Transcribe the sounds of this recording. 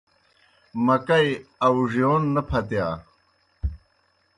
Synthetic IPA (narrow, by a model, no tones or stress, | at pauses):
mɐkɐjɐwʐjoːnːɐpʰɐt̪jaː